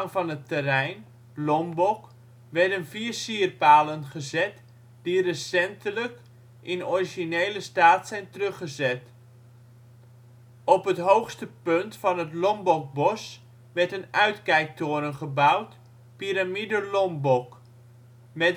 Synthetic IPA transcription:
ŋvɑnətːərɛjn | lɔmbɔk | ʋɛɹdənviːərsiːərpaːlənχəzɛt | d̥irəsɛntələk | ʔɪnɔriʒinejləstaːtsɛjntərɵχəzɛt | ɔpɦətɦowxstəpɵntfɑnɦətlɔmbɔk̚bɔs | ʋɛɹtənœɥtkɛjk̚toːɾənχəbawt | piɾamidəlɔmbɔk | mɛ

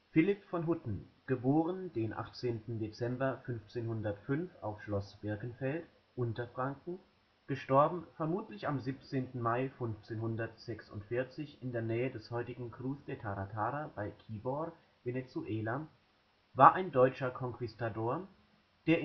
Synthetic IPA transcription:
fɪlɪpfɔnɦʊtn̩ɡ̥əboːʁ̞ənd̥eːnʔa̰χt͡seːntn̩det͡sɛmbɐfʏnft͡seːnhʊndɐtfʏnfa̰ʊfʃlɔsb̥ɪɐkən̩fɛlt | ʔʊntɐfʁ̥aŋkŋ̩ | ɡ̥əʃtɔɐbm̩fɛɐmuːtlɪçamziːp̚t͡seːntn̩maɪfʏnft͡seːnhʊndɐtz̥ɛksʊ̰ntfɪɐt͡sɪçɪndeːɐnɛːədɛshɔʏtɪɡŋ̩kʁ̥uːsd̥etʰaʁatʰaːʁabaɪkʰiːbɔʁ | venet͡suʔeːla | vaːɐʔaɪndɔʏt͡ʃɐkʰɔŋkv̥ɪstadoːɐ | d̥eːɐ

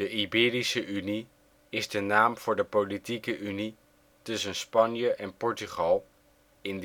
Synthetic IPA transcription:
dəʔibɪːrisəʔyni | ɪzdənaːmv̥ʊːɹdəpolitikəʔyni | tɵsənspɑnjəʔɛnpɔɹtyχɑlˠ | ɪn

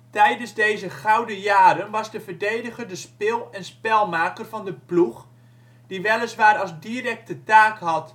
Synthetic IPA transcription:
tɛjdənzdejzəχawdəjaːɾənʋɑzdəvədejdəχərdəspɪlˠɛnspɛlˠmaːkərvɑndəpluχ | diʋɛlˠəzʋaːɾɑzdirɛk̚tətaːkɦɑt

